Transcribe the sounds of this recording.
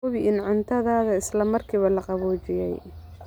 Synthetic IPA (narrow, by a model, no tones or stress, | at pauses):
ʊβɪʔɪnʕʊnt̪ʰɐðaːðɐɪslɐmɐrkʰiːβɐlɐqɑβɔːt͡ʃɪjɛj